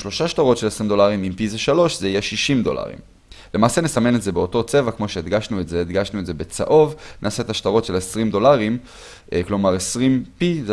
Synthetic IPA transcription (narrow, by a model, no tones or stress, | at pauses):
ʃlo̞ʃaʃt̪aʁo̞tʃe̞lesʁimd̪o̞laʁimimpizeʃalo̞ʃzeijeʃiʃimd̪o̞̰la̰ʁḭm | le̞maːsenesame̞netzebeo̞to̞t͡sevakmo̞ʃe̞ed̪ɡaʃnuetzeːd̪ɡaʃnuetzebe̞t͡sa̰ʔo̞vnʔaːset̪aʃt̪aʁo̞tʃe̞lesʁimd̪o̞laʁim | klo̞maʁesʁimpize